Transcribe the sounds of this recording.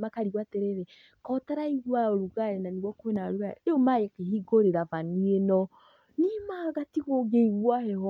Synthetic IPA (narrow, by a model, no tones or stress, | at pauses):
makaɾiɣwatɛɾeɾɛ | kɔtaɾaiɣwaoɾuɣaɾɛnaniɣwɔkoenaoɾuɣaeomajekehiɡoɾeɾavanienɔ | nimaːɣatiɣoɡeiɣwahɛhɔ